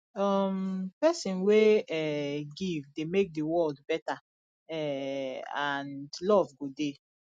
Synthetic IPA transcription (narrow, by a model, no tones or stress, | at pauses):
ɔmpɛsĩnweɛɡivdemek̚dəwɔldbɛta | ɛ | ãndlɔvɡode